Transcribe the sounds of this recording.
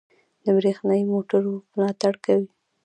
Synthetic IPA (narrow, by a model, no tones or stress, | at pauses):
d̪əbɾexnɑjimoʈaɾmlɑt̪aɽkawi